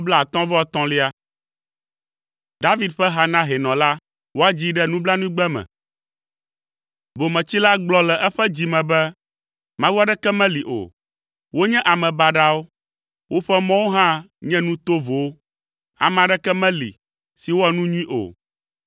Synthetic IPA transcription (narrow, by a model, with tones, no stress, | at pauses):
bla˦˨a˨t̪ɔ̃˦vɔ˦ɛ˦˨t̪ɔ̃˦li˦a˦ | d̪a˦vi˦d̪ɸɛ˦ɦa˦nã˦ɦɛ˨nɔ̃˨la˦ | wo˦a˦d͡ʑi˦ɖɛ˦nũ˦bla˦nũ˦i˦ɡ͡bɛ˦mɛ̰̃˨ | bo˨mɛ̃˨t͡ɕi˦la˦ɡ͡blɔ˦lɛ˨ʔɛ˦ɸɛ˦d͡ʑi˨mɛ̃˨bɛ˦ | mã˦wa˦ɖɛ˦kɛ˦mɛ̃˦li˨ʔo̰˨ | wo˦ɲɛ̃˦ʔa˨mɛ̃˨ba˨ɖa˦wo˦ | wʔo˦ɸɛ˦mɔ̃˦wo˦ɦã˦ | ɲɛ̃˦nũ˦t̪o˦vo˨wo˦ | a̰˨mɛ̃˨ã˨ɖɛ˦kɛ˦mɛ̃˦lḭ˨ | si˨wo˦ɛ˨nũ˦ɲũ˦ĩ˦ʔo̰˨